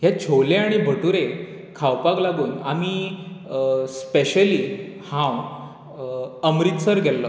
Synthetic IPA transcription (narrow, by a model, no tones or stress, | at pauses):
ɦjat͡ɕʰoleaɽ̃ibʱəʈuɾe | kʰawpaɡlaɡuːnamiː | speɕəliː | hãw | əmɾit̪səɾɡʱɛlːə